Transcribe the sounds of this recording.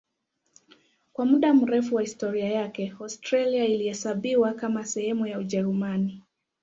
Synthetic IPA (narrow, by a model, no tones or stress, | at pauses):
kwamuɗam̩ɾɛfuwahistɔɾiajakɛɔstɾaliailihɛsaɓiwakamasɛhɛmujauʄɛɾumani